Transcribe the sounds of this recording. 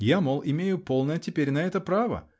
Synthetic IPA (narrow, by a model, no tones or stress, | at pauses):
jamolˠʔɪmʲejʊpo̞lˠnəjətʲɪpʲeɾʲnɐɛt̪əpɾavə̰